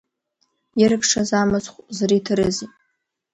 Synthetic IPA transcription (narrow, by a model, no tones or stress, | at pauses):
iɾɨkʰʂazamɨzχʷʼzritʰɨɾɨzi